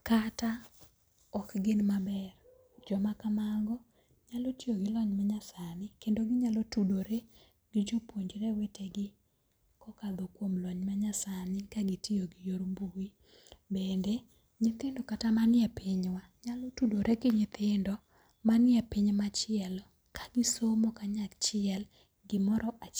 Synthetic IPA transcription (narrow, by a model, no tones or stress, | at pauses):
kata | ɔkɡɪnmabɛr | d͡ʒɔmakamaŋɡɔ | ɲalotijoɡɪlɔɲmaɲasanɪkendoɡɪɲalɔtudoɾe | ɡɪd͡ʒopwoɲd͡ʒɾɛweteɡɪ | kɔkad̪ɔkwomlɔɲmaɲasanɪkaɡɪtioɡɪjoɾmbuwi | bendɛ | ɲɪt̪ɪndɔkatamanɪjɛpɪɲwa | ɲalotudoɾʔekɪɲɪt̪ɪndɔ | manɪɛpɪɲmat͡ʃɪɛl | kaɡɪsomokaɲakt͡ʃɪɛl | ɡɪmɔɾɔʔa